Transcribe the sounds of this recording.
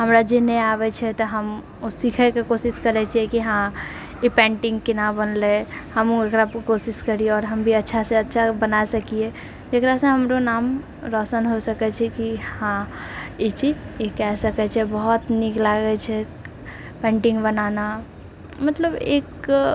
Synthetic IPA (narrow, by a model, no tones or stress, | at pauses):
ɦəmɾad͡ʒenɛaːʋɛt͡ʃʰɛt̪oɦəm | osikʰəkekosɪskəɾɛt͡ʃʰiɛkiɦã | jepɛ̃ːɳʈɪ̃ŋɡkɪnabənlehəmoekɾakosɪskəɾieɔːɾɦɐmbʱiɐtːʃʰaseɐtːʃʰabənasɐkie | d͡ʒekɾasẽɦɐmɾonaːm | ɾɔːsənɦosəkɛt͡ʃʰɛkihãjet͡ʃiːzjekɛɦsəkɛt͡ʃʰɛbɔɦʊt̪niklaːɡɛt͡ʃʰɛ | pɛ̃ːɳʈɪ̃ŋɡbənaːna | mət̪ləbḛːk